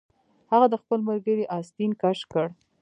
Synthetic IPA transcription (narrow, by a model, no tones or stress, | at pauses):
haɣad̪əxpəlmaɾɡəɾiʔɑst̪inkaʃkəɽ